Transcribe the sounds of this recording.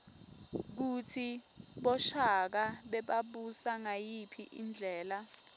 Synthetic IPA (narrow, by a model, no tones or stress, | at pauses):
k̬utʰiɓɔʃak̬aɓɛɓaɓusaŋajipʰiʔḭnd͡ɮʱɛːla